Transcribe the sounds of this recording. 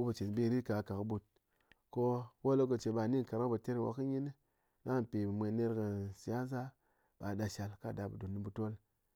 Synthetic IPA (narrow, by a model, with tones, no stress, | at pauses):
u˦bu˨t͡ʃe˨n˨bi˧˨ɾi˦ka˨ka˨kɨ˧bu˧t̚ | ko˦wo˦lo˦˧k̬ɨ˧t͡ʃe˨ba˧˨ni˦ŋ˨ka˨ɾkɨ˦bɨ˨te˦ɾwa̰˧kːɨ˦ɲi˦n˦ | na˦˨pi˨bɨ˨mʷe˧ne˦ɾkɨ˧si˨ja˦za˦ | ba˨da˧ʃa˧lka˦˨da˧bɨ˨du˨nːi˨˧bu˧to˦l